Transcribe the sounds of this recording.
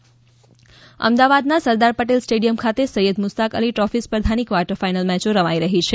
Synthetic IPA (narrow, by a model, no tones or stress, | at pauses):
ə̰md̪aʋad̪nasəɾd̪aɾpəʈelsʈeɖijəmkʰat̪esəjəd̪mʊst̪akəliʈɔfispɾəd̪ʱanikʋaɾʈəɾfajnəlmɛt͡ʃoɾəʋajɾəɦit͡ʃʰe